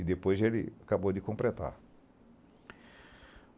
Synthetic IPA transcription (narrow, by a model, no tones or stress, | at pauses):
ɪd̪epojzelɪ̰akabod̪ɪkõmpɾet̪a̰ɾ